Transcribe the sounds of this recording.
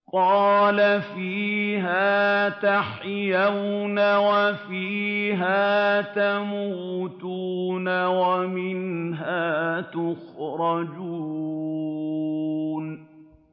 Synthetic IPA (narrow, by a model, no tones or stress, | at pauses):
qɑːlafiːɦaːt̪aħjawnawafiːɦaːt̪amuːt̪uːnawamɪnɦaːt̪ʊxɾɑd͡ʒuː | n